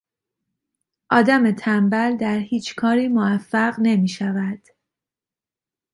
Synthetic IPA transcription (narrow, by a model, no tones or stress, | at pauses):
ʔɒːd̪æme̞t̪ʰæmbæld̪æɾhiːt͡ʃʰkʰɒːɾiːmoæfːæɣne̞miːʃævæd̪̥